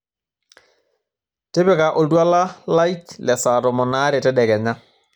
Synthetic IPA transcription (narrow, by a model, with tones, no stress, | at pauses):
te˦bɪ˨ka˨ʔo˨ldwa˦la˦la˦jtlɛ˨sa˨tɔ˨mɔ˨naː˦ɾɛ˨tɛ˦dɛ˨kɛ˨ɲa˦